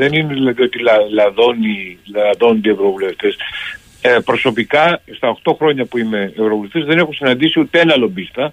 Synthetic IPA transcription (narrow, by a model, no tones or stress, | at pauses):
ðe̞nineðilɐðio̞t̪ilɐlɐðo̞niðo̞nd̪ie̞vɾo̞vule̞ft̪es | pɾo̞so̞pikɐst̪ɐoxt̪o̞xɾo̞ɲɐpuime̞ːvɾo̞vuleft̪zðe̞ne̞xunsinɐnd̪isiut̪eenɐlo̞bist̪ɐ